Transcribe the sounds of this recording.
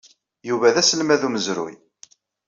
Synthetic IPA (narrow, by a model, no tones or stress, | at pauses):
juvæðæsəlmæðuməzɾʊ̰j